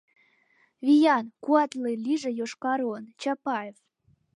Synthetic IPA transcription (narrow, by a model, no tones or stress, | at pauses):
vʲijɑnkuɑt̪lɨlʲiʒĕjoʃkɑɾont͡ɕɑpɑef